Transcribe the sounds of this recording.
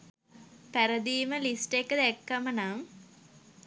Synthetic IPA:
pæɾəd̪iːməlisʈekːəd̪ɛkːamənam

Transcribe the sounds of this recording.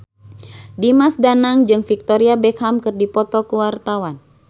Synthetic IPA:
dimasdanaŋd͡ʒɨŋfik̚t̪ɔɾiabɛkhamkɨrdipɔt̪ɔkuwart̪awan

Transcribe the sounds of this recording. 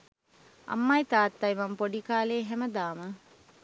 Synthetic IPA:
ɐ̰mːɐjt̪aːt̪ːɐjmɐmpoɖikaːleːɦæməd̪aːmə

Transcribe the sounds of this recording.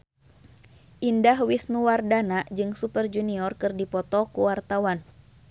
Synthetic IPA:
ʔindahwisnuwardanaʔd͡ʒɨŋsupərd͡ʒuniɔrkɨrdipɔt̪ɔkuwart̪awan

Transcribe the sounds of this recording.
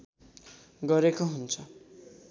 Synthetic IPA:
ɡʌɾekoɦunt͡sʰʌ

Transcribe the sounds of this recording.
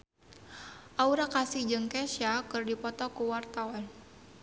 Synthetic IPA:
ʔauɾakasid͡ʒɨŋkɛʃakɨrdipɔt̪ɔkuwart̪awan

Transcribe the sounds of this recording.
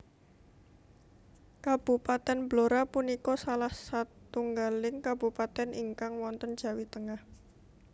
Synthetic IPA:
kab̥upat̪ɛnbloɾapunikɔsalahsat̪uŋɡalɪŋkabupat̪ɛnʔiŋkaŋwɔnt̪ənd̥ʒ̥a̤wit̪əŋah

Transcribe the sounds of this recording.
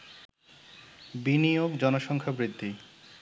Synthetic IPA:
binijoɡd͡ʑɔnoʃɔŋkʰabɾit̪ːi

